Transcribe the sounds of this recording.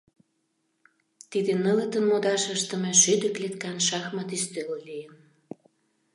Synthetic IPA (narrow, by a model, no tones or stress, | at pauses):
t̪id̪enələ̆t̪ənmod̪ɑʃəʃt̪ə̆meʃyd̪ə̆klet̪kɑnʃɑxmɑt̪yst̪øllijən